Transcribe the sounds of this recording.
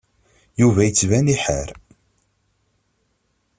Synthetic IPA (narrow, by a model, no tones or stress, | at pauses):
juvæjət͡sːvæniħəɾ